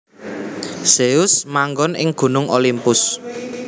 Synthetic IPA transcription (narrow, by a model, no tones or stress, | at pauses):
seʊsmaŋɡɔnɪ̰ŋɡ̥ṳnʊŋʔolimpʊs